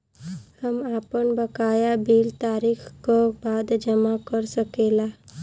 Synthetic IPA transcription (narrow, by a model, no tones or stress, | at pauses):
həmapəɳbəkajabiːlt̪aɾixkɔbad̪d͡ʒəmakəɾsəkela